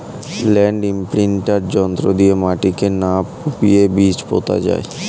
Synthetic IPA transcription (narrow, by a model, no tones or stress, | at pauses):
lɛɳɖimpɾiɳʈaɾd͡ʑɔnt̪ɾod̪ijemaʈikenapupijebit͡ɕpo̰t̪ʰa̰d͡ʑa̰e